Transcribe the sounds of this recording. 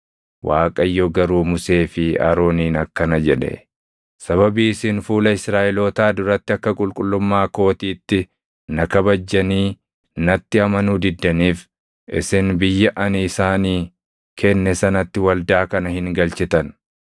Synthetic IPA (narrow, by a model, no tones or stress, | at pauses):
wʔaːkʼɐjːoɡɐɾuːmʊse̞ːfɪa̰ːɾo̞ːniːnɐkːɐnɐd͡ʒɛᶑɛ̰ | sɐβɐbiːsɪnfuːlɐɪsɾaːʔɛloːt̪aːd̪ʊɾɐt̪ːɪɐkːɐkʼʊlkʼʊlːʊmːaːko̞ːt̪iːt̪ːɪ | nɐkɐbɐd͡ʒːɐniː | nɐt̪ːɪɐmɐnuːd̪ɪd̪ːɐniːf | ɪ̰sɪnbɪjːɐʔɐniɪsaːniː | kʰɛnːɛsɐnɐt̪ːɪwɐld̪aːkɐnɐhɪŋɡɐlt͡ʃɪt̪ɐn